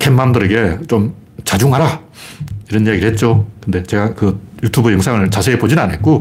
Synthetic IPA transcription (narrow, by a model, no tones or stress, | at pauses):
kʰemːamdɯɾeɡe̞t͡ɕom | t͡ɕad͡ʑuŋɦaɾa | iɾʌnijaɡiɾɭhe̞t̚t͡ɕ͈okɯnde̞t͡ɕe̞ɡakɯjutʰubɯjɯŋsʰaŋɯɭt͡ɕasʰeːpod͡ʑinanɦe̞t̚k͈o